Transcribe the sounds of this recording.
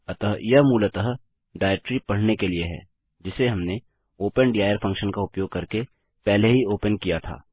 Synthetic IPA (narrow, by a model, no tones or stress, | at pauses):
ɐt̪əɦjɐɦmuːlɐt̪əɦ | ɖaːɪʈɾipɐɽ̤nekelieɦɛ̰ː | d͡ʒɪseɦɐmne | oːpənɖiːaːjəɾfʰɐ̃ŋkʃənkaʊpjoːɡ̚kɐɾke | pɛɦleɦioːpənkijat̪ʰa̰ː